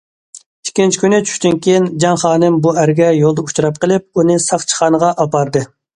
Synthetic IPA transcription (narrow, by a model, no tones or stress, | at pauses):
i̥kʲːint͡ʃʰi̥kʲynɪt͡ʃʰy̥ʃʲt̪ynkʲʰejind͡ʒɑŋχɑːnɨmbuæɾɡʲɛjolˠd̪əu̥t͡ʃɾɑp̚qəlˠɪp̚unɨsɑχt͡ʃʰə̥χɑːnəʁɑʔɑpɑɾd̪ɨ